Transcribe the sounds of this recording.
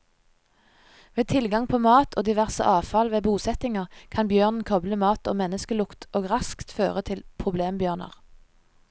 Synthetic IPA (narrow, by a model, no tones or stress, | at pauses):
ʋeːt̪ʰɪlɡɑŋpʰoːmɑːt̪ʰoːd̪ɪʋæʁsə̰ʔɑːfɑlʋeːbuːsɛt̪ɪŋəʁkʰɑnbjøːʁnn̩kʰɔbləmɑːt̪oːmɛnəskəlʊkt̪ʰoːɡʁɑskt̪føːʁət̪ʰɪlpʰʁʊbleːmbjøːʁnə̰ʁ